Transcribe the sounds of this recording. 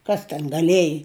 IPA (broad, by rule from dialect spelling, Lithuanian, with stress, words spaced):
ˈkɐs tʲɛn ɡɐˈlʲiɛjɪ